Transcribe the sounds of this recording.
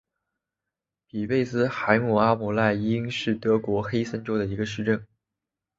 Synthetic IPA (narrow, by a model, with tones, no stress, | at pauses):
pi˨˩pe˥˧ɪsɹ̩˥xa˧˥ɪmu˨˩a˥mu˨˩la˥˩ɪi˥ŋʂɻ̩˥˩t̪ɤ˧˥kwɔ˧˥xe˥ɪsə˥nʈ͡ʂo˥ʊd̪ə˨i˧˥ɡə˧ʂɻ̩˥˧ʈ͡ʂə˥˩n